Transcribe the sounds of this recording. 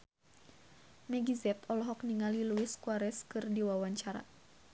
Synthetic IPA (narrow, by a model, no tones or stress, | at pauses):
mɛɡizɛt̪ɔlɔɦɔkniŋaliluiskuaɾɛskɨrdiwawaɲt͡ʃaɾa̰